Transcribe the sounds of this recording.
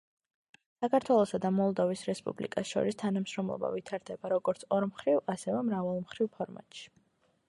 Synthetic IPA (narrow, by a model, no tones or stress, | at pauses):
sakʰaɾt̪ʰwɛlˠɔsad̪amɔlˠd̪ɔvisɾɛspʼṵblḭkʼasʃɔ̰ɾist̪ʰanamʃɾɔmlˠɔ̰ba̰vit̪ʰaɾd̪ɛbaɾɔɡɔɾt̪sʰɔɾmχɾivasɛvɛmɾavalˠmχɾivpʰɔɾma̰t̪ʼʃi̥